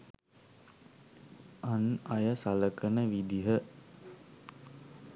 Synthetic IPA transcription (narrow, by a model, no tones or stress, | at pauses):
ʔanɐjəsaləkənəʋid̪iɦə